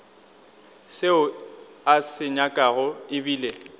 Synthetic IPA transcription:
seʊ | asɪɲakʼaɣʊɪbiːle

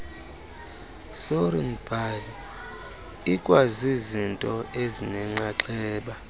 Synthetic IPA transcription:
soɾinb̥ʱali | ikʼwazizintʼɔezinɛŋ͡ǁaǁɛːɓa

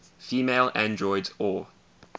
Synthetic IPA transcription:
fiːmeɪlã̰ndɹɔɪdɔː

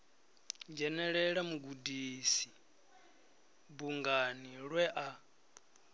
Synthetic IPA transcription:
d͡ʒɛnɛɺɛɺamuɡudisi | buŋɡaniɺwɛʔa

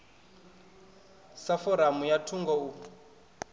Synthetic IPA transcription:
safɔɾamujatʰuŋɡɔu

